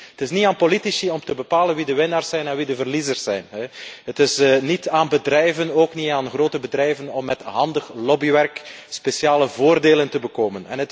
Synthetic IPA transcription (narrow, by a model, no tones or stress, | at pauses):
ətɪsniaːnpolitisiɔmtəbəpaːlənʋidəʋɪnaːrsɛjnɛnʋidəvərlizərsɛjnɦɛɦətɪsnitaːnbədrɛjvənoːkniaːnɣroːtəbədrɛjvənɔmːɛtɦɑndəxlɔbiʋɛrkspesjaːləvoːrdeːləntəbəkoːmənɛ̰nət